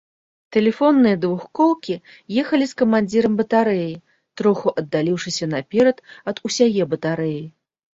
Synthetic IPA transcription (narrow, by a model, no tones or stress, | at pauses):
t̪ɛlʲɛfɔnːɨjɐd̪vuxkɔwkʲi | jɛxɐlʲiskɐmanʲd͡zʲiɾɐmbɐt̪aɾɛji | t̪ɾɔxuʔɐd̪ːalʲiwʂɨsʲɐnapʲɛɾɐt̪ɐd̪usʲajɛbɐt̪aɾɛji